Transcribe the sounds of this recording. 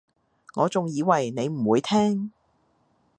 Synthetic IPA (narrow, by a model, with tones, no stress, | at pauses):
ŋɔː˨˧t͡sʊ˨ŋjiː˨˧wɐ˨˩jne˨˧jm̩˨˩wuː˨˧jt̪ʰɛː˥ŋ